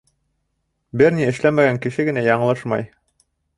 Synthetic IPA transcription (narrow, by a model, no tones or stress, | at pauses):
bɘɾniɘ̆ʃlæmæɡæŋkɘ̆ʃɘɡɘ̆næjɑɴɤ̆lˠɤʃmɑ̰j